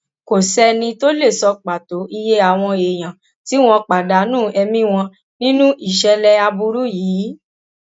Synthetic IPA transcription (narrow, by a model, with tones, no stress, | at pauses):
ko˨sɛ˧nĩ˧to˦le˦˨sɔ˧k͡pa˨to˨˦ʔi˧je˦a˦˨w̃ɔ̃˧e˨j̃ã˨ | ti˨˦w̃ɔ̃˧k͡pa˨da˨˦nũː˦˨ɛ˧mĩ˦w̃ɔ̃˧ | nĩ˦nũ˦i˦˨ʃɛ˧lɛ˦a˧bu˧ɾu˦jiː˨˦